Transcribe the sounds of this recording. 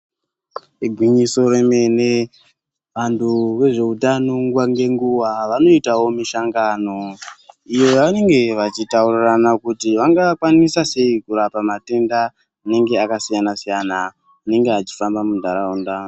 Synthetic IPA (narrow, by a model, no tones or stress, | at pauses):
eɡʱwiɲiso̞ɾe̞me̞ne | ʋantʰuʋe̞ʐe̞utanoŋɡwaŋɡe̞ŋɡuʋaʋano̞itawo̞miʃaŋɡano̞ijo̞jaʋane̞ŋɡe̞ʋat͡ʃitauriranakutiʋaŋɡakwanisase̞ikuɾapamate̞nda | ane̞ŋɡe̞akasijanasijanaː | ne̞ŋɡeat͡ʃi̥fambamundʱaɾaundaːno